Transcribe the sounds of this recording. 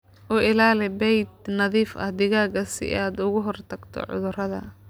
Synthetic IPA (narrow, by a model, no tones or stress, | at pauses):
ʔɔːʔɪlaːlɪbɛjd̪̚nɐðiːfʔɐ̰hd̪ɪɣaːɡɐsɪ̰ʔaːd̪ʊɣʊɦɔrt̪ʰɐɡt̪ʰɔ̰ʕʊ̰ðʊrɐðɐ̰